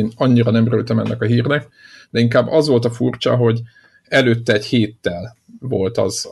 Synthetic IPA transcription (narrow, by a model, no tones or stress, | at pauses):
nɒɲːiɾɒnɛmøɾylt̪ɛmɛnːɛkɒɦiːrnɛk | d̪̥ɛiŋkaːbːɒzʋo̞lt̪ɒfurt͡ʃɒ̰ɦo̞ɟ | ɛløːt̪ːɛːɟheːt̪ːɛl | vo̞lt̪ɒ̰z